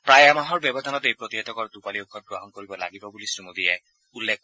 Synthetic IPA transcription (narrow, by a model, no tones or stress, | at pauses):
pɹajamaɦɔɹbjɔbɔd̪ʱanɔt̪ejpɹɔt̪iɦet̪ʰɔkɔɹd̪upaliukʰːɔt̪̚ɡɹɔɦɔnkoɹibɔla̰ɡibɔbulisumud̪ijɛ | ulːek̚ʰ